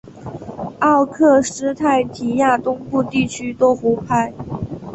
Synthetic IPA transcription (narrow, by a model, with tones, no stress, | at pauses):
ɑ˥˧ʊkʰɤ˥˩ʂɻ̩˥t̪ʰa˥˩ɪt̪ʰi˧˥ja˥˩t̪ʊ˥ŋpu˥˧t̪i˥˩t͡ɕʰy˥t̪wo˥xu˧˥pʰa˥˩ɪ